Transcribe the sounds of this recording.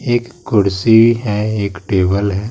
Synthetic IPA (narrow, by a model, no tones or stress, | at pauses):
eːkːʊɽsiiɦɛeːkʈeːbəlɦɛː